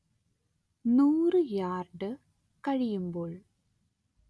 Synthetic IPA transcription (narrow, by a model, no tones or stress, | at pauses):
nuːrɨjaːrɖɨ | kɐɻijumboːɭ